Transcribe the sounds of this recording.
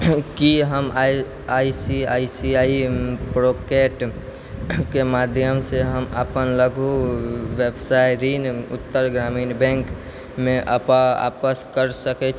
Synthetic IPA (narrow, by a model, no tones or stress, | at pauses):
kiɦəma | aisiaisiaipɾokeʈ | kemad̪ʱjəmseɦəmə̰pənləɡʱuʋjebsajɾinṵt̪ːəɾɡɾaminbɛ̃ŋk | mẽʔa̰paa̰pəskəɾsəkɛt͡ʃʰ